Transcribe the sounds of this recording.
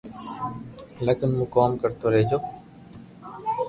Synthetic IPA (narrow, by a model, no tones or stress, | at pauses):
ləkənmũːkoːmkəɾt̪oːɾeːd͡ʒoː